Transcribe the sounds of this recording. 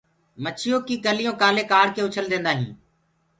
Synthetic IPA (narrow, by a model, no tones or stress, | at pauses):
mət͡ʃʰɪjoːkiːkəlɪjõːkaːleːkaːɽkeːʊt͡ʃʰəld̪ẽːnd̪aːɦḭ̃ː